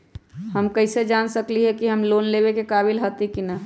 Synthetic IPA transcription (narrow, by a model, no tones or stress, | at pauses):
həmkəɪsed͡ʒansəkliɦɛkiɦəmloːnlebekekabilɦət̪ikinə